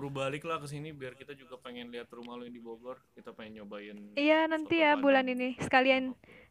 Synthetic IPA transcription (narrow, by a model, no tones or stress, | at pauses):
ɾubalɪklahkəs̬inibiarkit̪ad͡ʒuɡapeŋɛnliɦat̪rumahludiboɡɔrkit̪apaŋɛnt͡ʃobaɪnijanant̪ijabulaninisə̥kalian